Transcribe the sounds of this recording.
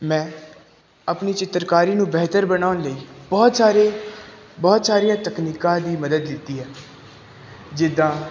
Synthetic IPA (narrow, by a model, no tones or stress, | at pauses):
mɛ̃ː | əpniːt͡ʃɪt̪ːɾkaːɾiːnũːbɛːt̪əɾbənaːʊnləiːbɔːt̪saːɾeːbɔːt̪saːɾijãːt̪əkniːkãːd̪iːməd̪əd̪lɪt̪ːiːɦɛː | d͡ʒɪd̪ːãː